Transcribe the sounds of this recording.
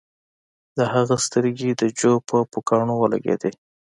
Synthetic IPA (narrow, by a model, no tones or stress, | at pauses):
d̪əhaɣast̪əɾɡid̪əd͡ʒopəpokɑɳowəla̰ɡḛd̪e